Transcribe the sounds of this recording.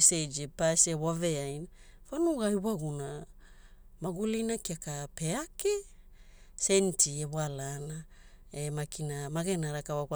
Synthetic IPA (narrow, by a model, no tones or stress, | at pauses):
sejd͡ʒepasewaveajn | fanuɣajβaɡuna | maɡulinakiakapeake | sentieβalana | emakinamaɡenaɾakawaka